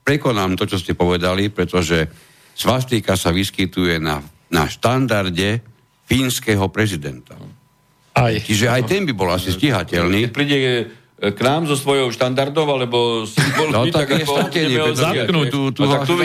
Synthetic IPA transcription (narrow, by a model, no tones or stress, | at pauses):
pɾɛkɔnaːmt̪ɔt͡ʃɔscɛpɔʋɛd̪alipɾɛt̪ɔʒɛ | sʋast̪ikasaʋiskit̪ujɛna̰ | na̰ʃt̪and̪aɾɟɛ | fiːnskɛɦɔpɾɛzid̪ɛ̰nt̪a | ajt͡ʃiʒɛajt̪ɛnbibɔlasisciɦacɛlnipɾiɟɛ | knaːmzɔsʋɔjɔʊʃt̪and̪aɾd̪ɔʊalɛbɔsiɔnɔt̪akɛst̪kɛɲɛaknuut̪uau